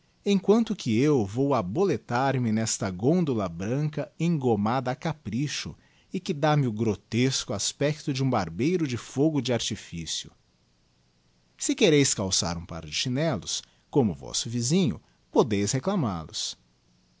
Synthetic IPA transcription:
ẽj̃kwɐ̃nt̪ʊkʰɪewvowabolet̪aɾmɪnɛst̪ɐɡõnd̪ʊlɐbɾɐ̃ŋkɐẽŋɡomad̪ɐːkapɾiʃʊ̰ | ɪkɪd̪amɪʊɡɾot̪eskʊaspɛkt̪ʊd͡ʒɪũbaɾbejɾʊd͡ʒɪfoɡʊd͡ʒɪaɾt͡ʃifisiʊ̰ | sɪkeɾejskawsa̰ɾũpa̰ɾd͡ʒɪʃinɛlʊ̰s | kõmʊvɔ̰sʊvizĩɲʊ̰ | pod̪ejsheklama̰lʊ̰s

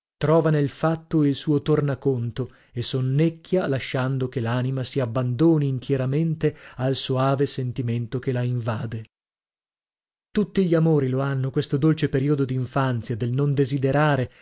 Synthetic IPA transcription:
t̪ɾɔːvanelfat̪ːoilsuːot̪ornakont̪o | esonːekʰʲːjalaʃːand̪okelaːnimasiabːand̪oːniːnt̪jɛɾament̪ealsoaːvesent̪iment̪okelaiɱvaːd̪e | t̪ut̪ːiʎiamoːɾiloanːokwest̪od̪olt͡ʃepeɾiod̪od̪iɱfant̪sjad̪elnond̪ezid̪eɾaːɾe

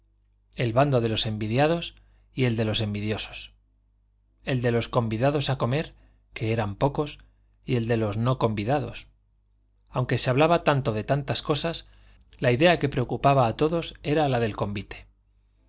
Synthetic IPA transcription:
e̞lβand̪o̞ðe̞lo̞se̞mbiðjað̞o̞s | ie̞ld̪e̞lo̞se̞mbiðjo̞so̞̥s | e̞ld̪e̞lo̞sko̞mbiðaðo̞sako̞me̞ɾ | ke̞eɾampo̞ko̞s | ie̞ld̪e̞lo̞znoko̞mbiðaðo̞s | awŋke̞se̞aβlaβat̪ant̪o̞ðe̞t̪ant̪asko̞sas | laiðe̞ake̞pɾe̞o̞kupaβaːt̪o̞ðo̞se̞ɾalaðe̞lko̞mbit̪e̥

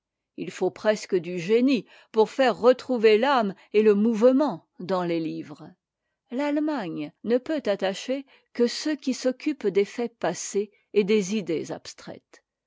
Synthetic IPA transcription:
ḭlfopχɛskəd̪yʒeni | puʁfɛʁːət̪χuvelam | eləmuvmɑ̃ | d̪ɑ̃lelivʁ | lalmaɲnəpøt̪at̪aʃe | kəsøkʲisɔkʲʰypd̪efɛpaseː | d̪ezid̪eza̰pst̪χɛ̰t̪

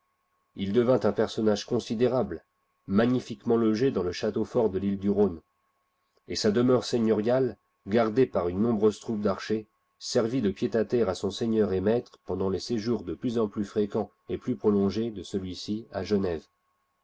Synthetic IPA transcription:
ild̪əvɛ̃t̪ɛ̃pɛʁsɔnaʒkɔ̃sid̪eʁabl | maɲifikmɑ̃lɔʒed̪ɑ̃ləʃat̪ofɔʁd̪əlild̪yʁon | esad̪əmœʁseɲɔʁjal | ɡaʁd̪epaʁynːɔ̃bʁøzt̪χup̚d̪aʁʃe | sɛʁvid̪əpjet̪at̪ɛʁasɔ̃seɲœʁemɛt̪χəpɑ̃d̪ɑ̃leseʒuʁd̪əplyzɑ̃plyfχekɑ̃ | eplypχɔlɔ̃ʒed̪əsəlɥisiaʒənɛv

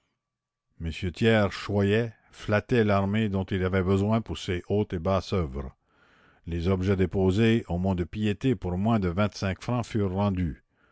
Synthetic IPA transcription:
məsjøt̪jɛːʁʃwajɛ | flat̪ɛlaʁmed̪ɔ̃t̪ilavɛbəzwɛ̃puʁseʔoːt̪ebasœvʁ | lezɔbʒɛd̪epoːzeomɔ̃d̪əpijet̪epuʁmwɛ̃d̪əvɛ̃t̪sɛ̃kfʁɑ̃fyːʁːɑ̃d̪y

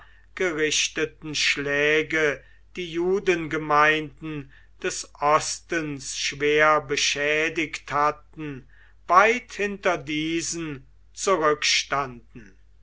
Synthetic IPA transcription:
ɡ̥əʁɪʃtətn̩ʃlɛːɡə | d̥iːjuːdənɡəmaɪndn̩ | d̥ɛsʔɔstənsʃv̥eːɐbəʃɛːdɪkthatn̩ | vaɪthɪntɐdiːzən | t͡suʁʏkʃtandn̩

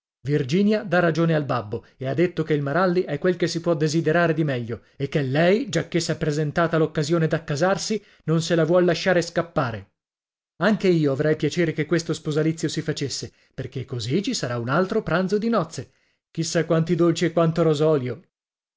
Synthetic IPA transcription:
vird͡ʒiːnjad̪arːad͡ʒoːnealbabːo | ead̪ːet̪ːokeilmaɾalːiʔɛkːwelkesipwɔd̪ezid̪eɾaːɾed̪imɛʎːo | ekːelːɛjd͡ʒakːesːɛpːɾezent̪aːt̪alokːazjoːned̪akːazarsi | nonselavwɔlːaʃːaːɾeskapːaːɾe | aŋkeiːoavɾɛjpjat͡ʃeːɾekekːwest̪ospozalit̪sːjosifat͡ʃesːe | perk̟ekːozit͡ʃisaɾaunalt̪ɾopɾant̪zod̪inɔt̪sːe | k̟isːakwant̪id̪olt͡ʃiɛkwant̪oɾozɔːljo

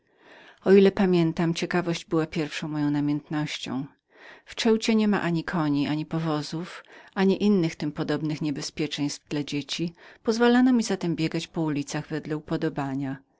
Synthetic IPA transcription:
ɔilɛpamʲjɛnt̪amt͡ɕɛkavɔʑd͡ʑbɘwapʲjɛɾfʂɔ̃w̃mɔjɔ̃w̃namʲɛnt̪nɔɕt͡ɕɔ̰̃w̃ | ft͡ʂɛwt͡ɕɛɲɛma̰ʔaɲikʰɔɲiʔaɲipɔvɔzufaɲiʔinːɘxt̪ɘmpɔd̪ɔbnɘxɲɛbɛspʲjɛt͡ʂɛɲ̃st̪vd̪̥lad͡ʑet͡ɕipɔzvalanɔmʲizat̪ɛmbʲjɛɡat͡ɕpɔulʲit̪saɣvɛd̪lɛupɔd̪ɔbaɲa

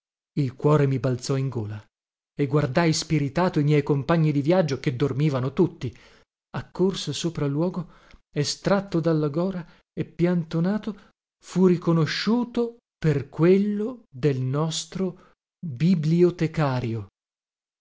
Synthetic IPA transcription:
ilkwɔːɾemibalt̪sɔiŋɡoːla | eɡward̪ajspiɾit̪aːt̪oimjɛjkompaɲːid̪ivjad͡ʒːoked̪ːormiːvanot̪ut̪ːi | akːorsosoːpɾalːwɔːɡo | est̪ɾat̪ːod̪alːaɡɔːɾa | epːjant̪onaːt̪o | furikonoʃːuːt̪o | perkwelːod̪elnɔst̪ɾo | bibliot̪ekaːɾjo

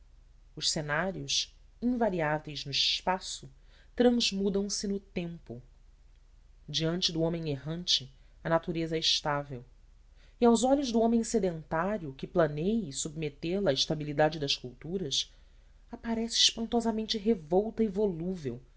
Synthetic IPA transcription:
ʊʃsenaɾjʊʃ | ĩvaɾiavejznʊiʃpasʊ | t̪ɾɐ̃zmud̪ɐ̃w̃sɪnʊt̪ẽmpʊ | d͡ʒiɐ̃nt͡ʃɪd̪ʊõmẽŋeɦɐ̃nt͡ʃɪ | ɐnat̪uɾezɐɛɪʃt̪avew | iawzɔʎʊʒd̪ʊõmẽj̃sed̪ẽnt̪aɾjʊkɪplɐnejɪsub̚met̪elaːɪiʃt̪abilid̪ad͡ʒɪd̪ɐskuwt̪uɾɐs | apaɾɛsɪːʃpɐ̃nt̪ɔzɐmẽnt͡ʃɪɦevɔwt̪ɐivoluvew

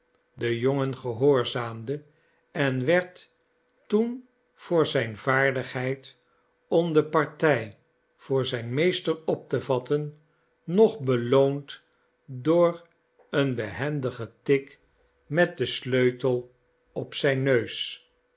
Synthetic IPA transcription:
dəjoŋənχəɦoːɹzaːmdə | ɛnʋɛɹt | tun | v̥ʊːɹzɛjnvaːɹdəχɦɛjt | ɔmdəpɑɹtɛj | v̥ʊːɹzɛjnmejstərɔp̚təvɑtənː | ɔχbəlownt | dʊːɹ | ənbəɦɛndəχətɪk | mɛt̚dəsløɥtəlˠ | ɔpsɛjnːøɥs

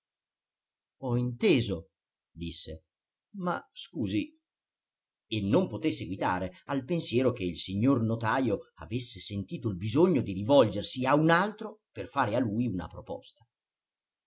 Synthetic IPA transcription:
ɔint̪eːzo | d̪isːe | ma̰skuːzi | enːompot̪esːeɡwit̪a̰ːɾealpensjɛːɾok̟eilsiɲːornot̪aːjoa̰vesːesent̪iːt̪oilbizoɲːod̪irivɔld͡ʒersiaunalt̪ɾoperfaːɾealujuna̰pɾopɔ̰st̪ḁ

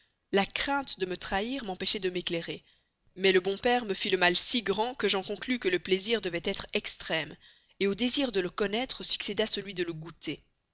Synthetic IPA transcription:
lakχɛ̃t̪d̪əmət̪χaiʁmɑ̃peʃɛd̪əmekleʁe | mɛləbɔ̃pɛʁməfiləmalsiɡʁɑ̃kəʒɑ̃kɔ̃klykələpleziʁd̪əvɛt̪ɛt̪χɛkst̪χɛm | eod̪eziʁd̪ələkɔnɛt̪χəsy̥ksed̪asəlɥid̪ələɡut̪e

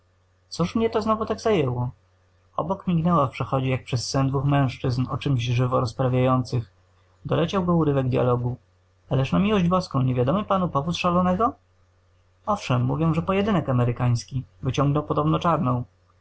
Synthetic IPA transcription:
t̪sɔʂmɲɛt̪ɔznɔvut̪aɡzajɛwɔ | ɔ̰bɔkmʲiɡnɛwafpʂɛxɔd͡ʑɛjak̚pʂɛsːɛnd̪vuxmɛ̃w̃ʂt͡ʂɘznɔt͡ʂɘmʑʐɘvɔɾɔspɾavʲjajɔnt̪sɘx | d̪ɔlɛt͡ɕawɡɔuɾɘvɛɡd̪ʲja̰lɔɡu | alɛʂnamʲiwɔʑd͡ʑbɔskɔ̃w̃ɲevʲjad̪ɔmɘpanupɔvut̪ʂalɔnɛɡɔ | ɔfʂɛmːṵvʲjɔ̃w̃ʐɛpɔjɛd̪ɘnɛkamɛɾɘkaj̃skʲivɘt͡ɕɔ̃ŋɡnɔwpɔd̪ɔbnɔt͡ʂaɾnɔ̃w̃

